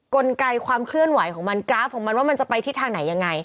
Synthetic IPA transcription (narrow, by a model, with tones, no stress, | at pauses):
ko˧nka˧jkʰwaː˧mkʰlɯ˥˩ənwa˨˩˦jkʰɔː˩˦ŋma˧nkɾaː˦˥pʰːo˩˦mːa˧nwaː˥˩ma˧nt͡ɕa˨˩pa˧jt̪ʰiː˥˩t̪ʰaː˧ŋna˩˦ja˧ŋːa˧j